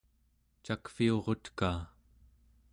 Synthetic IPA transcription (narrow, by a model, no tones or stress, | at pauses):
t͡ʃakfio̞ʁo̞t̪kaː